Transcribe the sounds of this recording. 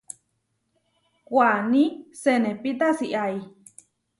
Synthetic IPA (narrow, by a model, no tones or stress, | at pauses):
kʷanĩsenẽpit̪asiʔai